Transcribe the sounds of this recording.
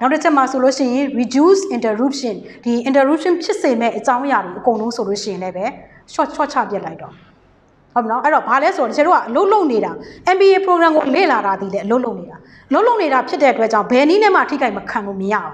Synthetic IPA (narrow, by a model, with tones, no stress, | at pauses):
na˦ʊtːə˦t͡ɕʰɛ˦ʔma˨so˨lo˦ʃɪ̰̃˦˨jɪ̃˨ɹi˨du˦sʔɪ̃˨ntə˨ɹu˦p̚ʃɪ̰̃˨nd̥i˨ʔɪ̃˨ntə˨ɹu˦p̚ʃɪ̃˦˨pʰjɪ˦ʔse˨mɛ̰˦˨ʔət͡ɕã˦ʊ̃ʔəja˨dwe˨ʔəkõ˨ʊ̃nlõ˦ʊ̃so˨lo̰˦˨ʃɪ̃˦˨ɪ̃˨nlɛ˦bɛ˦ | ʃɔ˦t͡ɕʰɔ̰˦˨t͡ɕʰa̰˦˨pjɛ˦ʔla˦ɪtɔ˨ | ho˦pnɔ˦ʔɛ˦˨ɾɔ˨ba˨lɛ˦so˨ɔ˨təkʰɛ˨ɾo˦a˦˨ʔəlo˦ʊʔlo˦ʊʔne˨ɾa˨ʔɛ̃˨mbi˨e˨pʰə˨ɹo˨ɡɹã˨ŋɡo˨lḛ˦˨la˨ɾa˨d̪i˨lɛ˦ʔəlo˦ʔlo˦ʊʔne˨ɾa˨ | ʔəlo˦lo˦ʊʔne˨ɾa˨pʰjɪ˦tːɛ˦ʔətwɛ˦t͡ɕã˦˨ʊ̃mbɛ˨ʔəni˦nɛ˦ma̰˦˨tʰḭ˦˨ɡa˦ɪməkʰã˨no˦˨məja̰˦˨ʔɔ̃˨˦